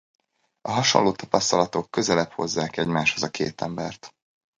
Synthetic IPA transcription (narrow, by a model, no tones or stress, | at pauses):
ɒɦɒʃonloːt̪ɒpɒst̪ɒlɒt̪o̞kːø̞zɛlɛpho̞̰zːaːkɛɟmaːʃhozɒkʰḛːt̪ɛmbɛrt̪